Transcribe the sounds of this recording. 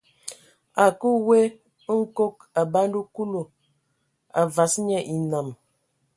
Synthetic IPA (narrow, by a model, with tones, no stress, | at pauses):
a˨ku˦we˦ | ŋ̩˦ko˦k̚ | a˨ba˦n˦du˦ku˦lo˨ | a̰˨va˨sɲɛ˦ʔi˨na˨m